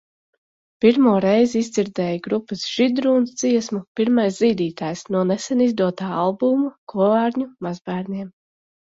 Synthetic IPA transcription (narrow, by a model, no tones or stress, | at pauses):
piɾmuɔɾɛjziizd̪ziɾd̪ɛːjaɡɾupːɨsʒ̥id̪ɾuːnsd̪ziɛsmupiɾmajsziːd̪iːt̪aːjsnuɔnɛsɛnizd̪uɔt̪aːalˠbumukuɔvaːɾɲumazbæːɾniɛm